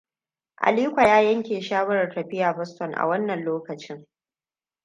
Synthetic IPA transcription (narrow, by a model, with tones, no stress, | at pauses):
ʔa̰˨liː˦kʷa˨jaː˦jɐ˦ŋkʲeː˨ʃaː˦wɐ˦ɾɐ˨tɐ˨ɸɪ˦jaː˨bɐ˦stɔ˨ŋʔa̰˨wɐ˦nːɐ˨nloː˦kɐ˨t͡ʃɪ˦ŋ